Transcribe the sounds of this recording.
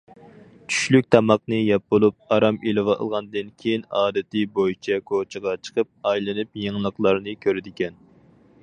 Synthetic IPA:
t͡ʃʰy̥ʃlyk̚ʲt̪ʰɑmɑq̚nɨjɑp̚bolˠup̚ɑɾɑmilɨvɑʔlˠʁɑnd̪ɨnkʲʰejinɑːd̪ɪt̪ɨbojit͡ʃʰɛkʰot͡ʃʰəʁɑt͡ʃʰə̥qʰəp̚ɑjlˠɨnɨpjeŋlˠəqlˠɑɾnɨkʲʰøɾɪd̪ɪkʲɛn

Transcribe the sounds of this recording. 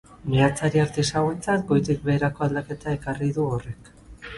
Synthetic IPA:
miat͡saɾiaɾt̪esaɣwent͡sat̪ɡo̞jt̪ik̚be̞ːɾako̞ald̪ake̞t̪ae̞kariðuore̞k

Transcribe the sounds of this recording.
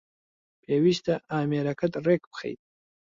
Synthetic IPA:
pʰewiʃt̪aʔaːmeɾakat̪ɾekpxḛjd̪̚

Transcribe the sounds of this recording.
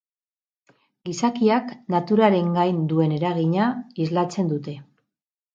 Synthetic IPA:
ɡisakiaknat̪uɾaɾe̞ŋɡajnd̪ue̞ne̞ɾaɣiɲaizlat͡se̞nd̪ut̪e̞

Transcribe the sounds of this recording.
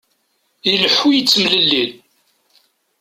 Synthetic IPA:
iləħːujət͡sːmləlːil

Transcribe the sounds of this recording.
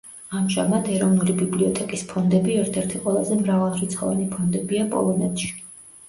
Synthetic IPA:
amʒamad̪ɛɾɔvnulibibliɔt̪ʰɛkʼispʰɔnd̪ɛbiɛɾt̪ʰɛɾt̪ʰiqʼwɛlˠazɛmɾavalˠɾit̪sχɔ̰vɛnipʰɔnd̪ɛbiapʼɔ̰lˠɔnɛt̪ʃi̥

